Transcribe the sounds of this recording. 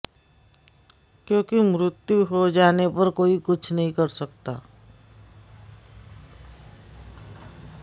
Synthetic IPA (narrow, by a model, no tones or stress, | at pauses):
kjõːkimɾɪt̪juɦod͡ʒaːnepɐɾkoːikʊt͡ʃʰnɐɦĩkɐɾsɐk̚t̪a̰ː